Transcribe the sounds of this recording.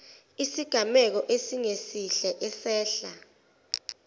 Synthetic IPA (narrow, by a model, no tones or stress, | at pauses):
isiɡ̥ʱamɛk̬ɔʔesiŋesiɬɛʔɛsɛːɬa̰